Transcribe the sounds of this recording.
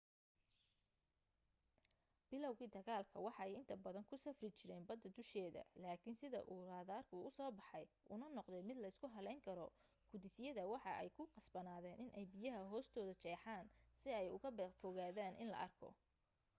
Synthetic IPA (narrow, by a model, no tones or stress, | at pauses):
b̥ɪlɔwɣiːd̪ɐɣaːlkʰɐwɑħɑɛjɪnt̪ʰɐbɐðɐŋkʰʊsɐfrɪt͡ʃɪɾɛːnbɐd̪ːɐd̪ʊʃɛːðɐ̰laːkʰɪnsɪðɐ̰ʔuːraːðaːrkʰʊʊsɔːbɑħɑj | ʔʊnɐnɔqðɛmɪd̪lɐɪskʰʊɦɐlɛjŋkʰɐɾɔ | ɡ̥ʊd̪ɪsɪjɐðɐwɑħɑʔɛ̰jkʰʊqɑsbɐnaːðɛːnʔɪnʔɛjbɪjɐɦɐɦɔːst̪ʰɔːðɐt͡ʃɛːħaːnsɪɛjʊɣɐbfɔɣaːðaːnʔɪ̰nlɐ̰ʔɐrkʰɔ̰